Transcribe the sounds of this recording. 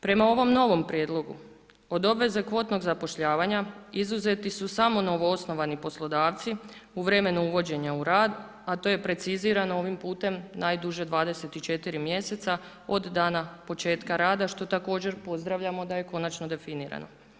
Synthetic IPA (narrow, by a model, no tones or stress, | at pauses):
pɾe̞mao̞ʋo̞mno̞ʋo̞mpɾje̞ːd̪lˠo̞ɡu | o̞d̪o̞bʋe̞ze̞kʋo̞t̪no̞ɡzapo̞ʃʎaːʋaɲaizuze̞t̪isusamo̞no̞ʋoosno̞ʋanipo̞slˠo̞d̪aːʋt̪siuʋɾe̞me̞nuuʋo̞d͡ʑe̞ɲauɾaːd̪ | at̪o̞je̞pɾe̞t̪siziɾanoo̞ʋimpuːt̪e̞mnajd̪uʒe̞d̪ʋaːd̪e̞se̞t̪it͡ʃe̞t̪iɾimje̞se̞t̪sa | o̞d̪ːaːnapo̞t͡ʃe̞ːt̪kaɾaːd̪aʃt̪o̞t̪ako̞ːd͡ʑe̞ɾpo̞zd̪ɾaʋʎamo̞d̪aje̞ko̞nat͡ʃno̞d̪e̞finiɾa̰no̞̰